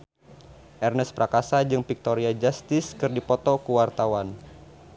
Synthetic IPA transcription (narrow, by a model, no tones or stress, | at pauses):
ʔɛrnəspɾakasad͡ʒɨŋpik̚t̪oɾiad͡ʒast̪ɪskɨrdipɔt̪ɔkuwart̪awan